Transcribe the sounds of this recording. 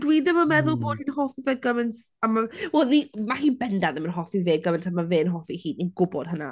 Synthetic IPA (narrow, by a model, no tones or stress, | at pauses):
d̥wiðɪməmɛðʊlˠboːd̥inhɔfiveːɡəvəntʰ | amawɛlˠnimahiːnbɛndaðɪmənɦɔfiveːɡəvəntʰamaveːnɦɔfihiːninɡʊbɔd̥həna̰